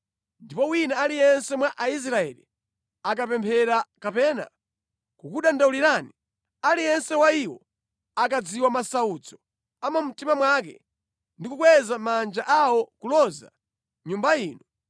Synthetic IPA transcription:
ndipɔwinaalijɛnsɛmwaʔais̬ɾaɛ̰lḭ | akapɛmpʰɛɾakapɛːna̰ | kukuɗandauliɾani | alijɛnsɛwaiwɔ̰ | akad͡ziwamasaut͡sɔ̥ | amam̩timamwakɛ̰ | ndikukwɛzamand͡ʒaʔawɔkulɔza̰ | ɲumbaiːnɔ

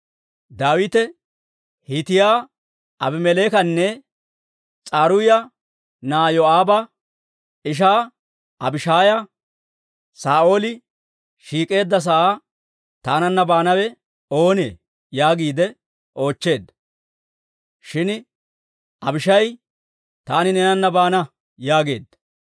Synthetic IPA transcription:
d̪aːwɪt̪ɛ | hɪt̪ɪjaː | ʔɐbɪmɛleːkɐnːɛ | t͡sʼaːɾʊjɐ | naːjɔaːbɐ | ɪʃ̬aː | ʔɐbɪʃaːjɐ | saːʔo̞ːlɪ | ʃiːkʼe̞ːd̪ːɐs̬ɐʔa | t̪aːnɐnːɐbaːnɐwɛ | o̞ːne̞̰ː | jaːɡiːd̪ɛ | ʔo̞ːt͡ʃːe̞ːd̪ɐ | ʃɪn | ɐbɪʃɐj | t̪aːnɪnɛnɐnːɐbaːnɐ | jaːɡe̞̰ːd̪

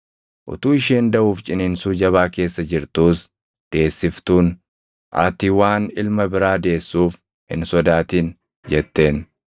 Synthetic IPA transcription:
ʔʊ̰t̪uːɪʃeːnd̪ɐʔuːft͡ʃʼɪnɪnsuːd͡ʒɐβaːke̞ːsːɐd͡ʒɪɾt̪uːs | d̪̥e̞ːsːɪft̪uːn | ʔɐ̰t̪ɪwaːnɪlmɐbɪɾaːd̪e̞ːsːuːf | hɪ̰nsɔd̪aːt̪iːn | d͡ʒɛt̪ːe̞ːn

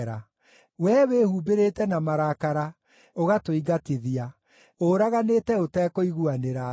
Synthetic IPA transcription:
ɾa | wɛwehuːbeɾetɛnamaɾakaɾa | oɣatoiɡateðia | oɾaɣanetɛotɛkoiɣuaneɾa

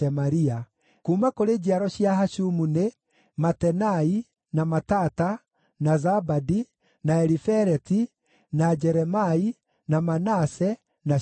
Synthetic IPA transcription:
ɛmaɾia | kumakoɾed͡ʒiaɾɔɕiaɦaʃumune | matɛnai | namatata | nazabadi | naɛɾifɛɾɛti | nad͡ʒɛɾɛmai | namanasɛ | na

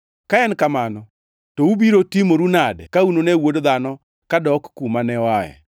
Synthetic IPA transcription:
kaɛnkamanɔ | tɔubiɾotimoɾunadɛ̰kaunonewodðanɔ | kadɔkːumanɛwajɛ̰

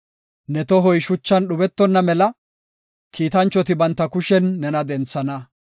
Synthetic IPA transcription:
nɛt̪ɔɦɔjʃʊt͡ʃːɐnɗʊbɛt̪ːɔnːɐmɛlɐ | kiːt̪ɐnt͡ʃːɔt̪ɪbɐnt̪ːɐkʊʃɛnːɛnɐd̪ɛnt͡sːɐnɐ

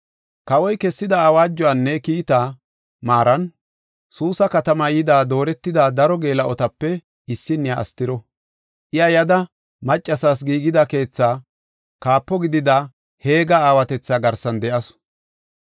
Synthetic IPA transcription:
kɐwɔjkɛsːɪd̪ɐaːwaːd͡ʒːɔanːɛkiːt̪aː | maːɾɐn | suːsɐkɐt̪ɐmɐjɪd̪aːd̪o̞ːɾɛt̪ːɪd̪aːd̪ɐɾɔɡe̞ːlɐʔɔt̪ɐpːɛ | ɪsːɪnːɪja̰ːst̪ɪɾɔ | ʔɪɐjɐd̪ɐ | mɐt͡ʃʼːɐsaːs̬ɡiːɡɪd̪ɐke̞ːt͡sːaː | kaːpːɔɡɪd̪ɪd̪a | he̞ːɡɐaːwɐt̪ɛt͡sːaːɡɐɾsɐnd̪ɛʔɐs

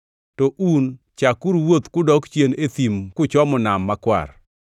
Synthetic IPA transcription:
tɔʔun | t͡ʃakuɾwot̪kʊdɔkt͡ʃjenet̪imkʊt͡ʃɔmʊnamːakwa̰r

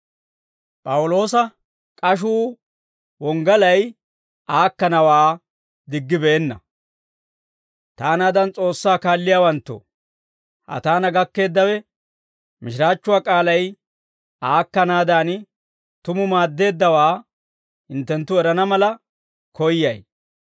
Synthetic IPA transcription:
pʼɐwʊlo̞ːsɐ | kʼɐʃ̬uː | wɔŋɡɐlɐj | ʔaːkːɐnɐwaː | d̪ɪɡːɪbeːnːɐ | t̪aːnaːd̪ɐnt͡sʼo̞ːsːaːkaːlːɪjaːwɐnt̪ːʊ̰ | hɐ̰t̪aːnɐɡɐkːe̞ːd̪ːɐwɛ | mɪʃɪɾaːt͡ʃːʊwaːkʼaːlɐj | aːkːɐnaːd̪aːn | t̪ʊmʊmaːd̪ːe̞ːd̪ːɐwaː | hɪnt̪ːɛnt̪ːʊɛɾɐnɐmɐlɐ | kʰɔjːɐj

